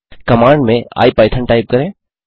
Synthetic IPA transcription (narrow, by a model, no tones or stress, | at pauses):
kɐmaːɳɖmẽa̰ːipaːɪt̪ʰəɳʈaːɪp̚kɐɾẽː